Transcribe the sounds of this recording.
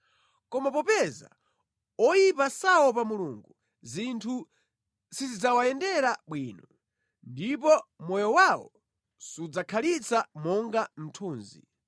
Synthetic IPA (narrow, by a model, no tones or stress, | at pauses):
kɔmapɔpɛza̰ | ɔjipasawɔpamuluŋɡu | zintʰu | sizid͡zawaɛndɛɾaɓwiːnɔ | ndipɔmɔjɔwawɔ̰ | sud͡zakʰalit͡samɔŋɡam̩tʰuːnzḭ